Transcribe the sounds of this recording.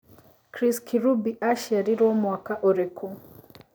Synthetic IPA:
kɾiskʰiɾubiʔaʃiaɾiɾɔmwakaʔɔɾɛkʰu

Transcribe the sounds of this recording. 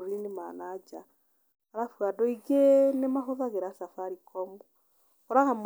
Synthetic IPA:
ɾinimanad͡ʒa | aɾafwadɔiɡɛnɛmaɦoðaɣɛɾasafaɾikʰɔmɔ | hɔɾaham

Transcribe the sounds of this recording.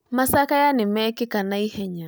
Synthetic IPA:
masakajanɪmɛkɪkanaihɛɲa

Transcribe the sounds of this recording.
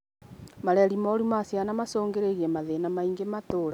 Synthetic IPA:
maɾɛɾimɔɾimasjanamasoːŋɡeɾeɣiɛmaðenamaiŋɡematoɾa

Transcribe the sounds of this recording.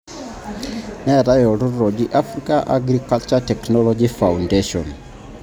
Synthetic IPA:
nɛɾajɔɾuɾɔd͡ʒiʔafɾikaʔa̰ɡɾikalt͡ʃatɛknɔlɔd͡ʒifaundeʃɔn

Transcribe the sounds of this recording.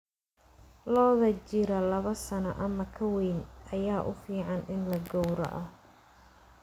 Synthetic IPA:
lɔːðɐt͡ʃɪɾɐlɐβɐsɐnɐʔɐmɐkʰɐwɛjnʔɐjaːʔʊfiːʕɑnʔɪnlɐɡɔwɾɐ̰ʔɐ

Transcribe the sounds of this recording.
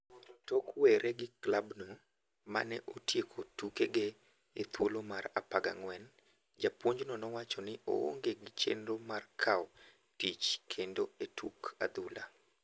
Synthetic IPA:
tɔkwɛɾʔɛɡɪklabno | ma̰nɛʔotjekʰotukeɡe | et̪wolomaɾa̰paɡa̰ŋwɛn | d͡ʒapwoɲd͡ʒnɔnɔwat͡ʃɔnɪʔo̰o̰ŋɡeɡɪt͡ʃḛnɾomarkʰaw | tit͡ʃkʰendoetʰuka̰d̪ula̰

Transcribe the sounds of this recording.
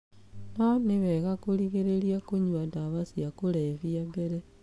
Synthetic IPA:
naniβeɣakuliɣeɾeɾjakuɲwataβasjakuleβjabeɾe

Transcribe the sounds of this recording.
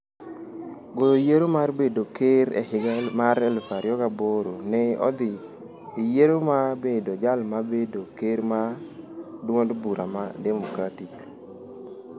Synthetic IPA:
ɡoojeɾomarbedokeɾɛ̰hɪɡmaɾɛlfaɾjɔɡaboɾonɛɔ̰d̪ɪ | ijeɾomabedod͡ʒalmabedokeɾma | dwondbuɾama̰dɛmokɾatik

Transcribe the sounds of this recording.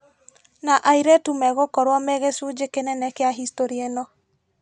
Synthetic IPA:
naʔaiɾɛtumɛɣokɔɾwɔmɛɣesud͡ʒekenɛnɛkeaɦistoɾienɔ

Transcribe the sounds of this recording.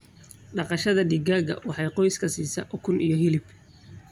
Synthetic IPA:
ɖɑqɑʃɐðɐɖɪɡaːɣɐ̰wɑħɑjqɔjskʰɐsiːsɐʔkʰʊnʔijɔɦɪlɪb

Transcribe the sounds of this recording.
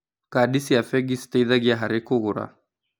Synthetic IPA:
kaɗisiafɛɡistaiðaɡiaɦaɾikuɣuɾa̰

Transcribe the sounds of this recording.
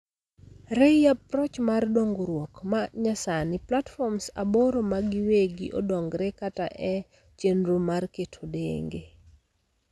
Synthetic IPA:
ɾejap̚ɾɔt͡ʃmardoŋɡoɾwɔkmaɲasanɪplatfɔmsa̰boɾomaɡɪweɡḭʔo̰dɔŋɡɾɛkata̰ʔɛ | t͡ʃenɾumarketʰodḛŋɡe

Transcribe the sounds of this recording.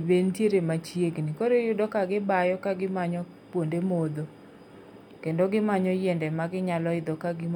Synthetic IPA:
bentjeɾemat͡ʃjeɡnɪkoɾejʊdɔkaɡɪbajɔkaɡɪmaɲɔ | pwondemod̪o | kendoɡɪmaɲɔjɛndɛmaɡɪɲalɔɪd̪ɔkaɡɪ

